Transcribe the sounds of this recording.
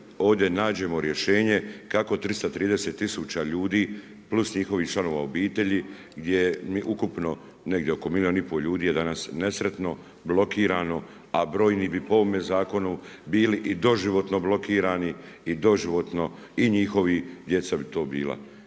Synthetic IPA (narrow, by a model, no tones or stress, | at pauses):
o̞ːʋd̪je̞naːd͡ʑe̞mo̞ɾje̞ʃe̞ːɲe̞kako̞t̪ɾist̪at̪ɾiːd̪ese̞t̪ːisuːt͡ɕaʎuːd̪iː | plˠusɲixo̞ʋiht͡ʃlano̞ʋao̞biːt̪e̞ʎi | ɡd̪jejmiʔukupno̞ | ne̞ɡd̪jeokomiljo̞nipo̞ʎuːd̪iːjed̪anasne̞sɾe̞t̪no̞ | blo̞kiːɾaːno̞ | abɾo̞ːjniːbipo̞omezaːko̞nu | biːliʔid̪o̞ʒiʋo̞t̪no̞blˠo̞kiːɾaːniid̪o̞ʒiʋo̞t̪no̞ | iɲixo̞ʋid̪je̞t̪sabit̪o̞ːbiːlˠa̰